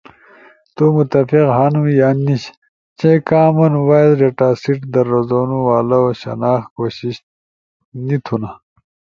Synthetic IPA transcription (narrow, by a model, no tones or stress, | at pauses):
t̪umut̪ɐfiqɦanujaːniɕ | t͡ɕẽkaːmɐnwaːjzɾeʈaːsiʈd̪ɐɾːozoːnuwaːlɐoɕɐ̰naːxkoːɕiɕ | nit̪ʰuna